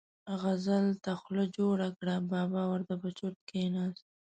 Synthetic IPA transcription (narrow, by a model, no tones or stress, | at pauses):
ɣazalt̪axləd͡ʒoɽakɽabɑbɑwaɾt̪apət͡ʃoʈ̚kenɑs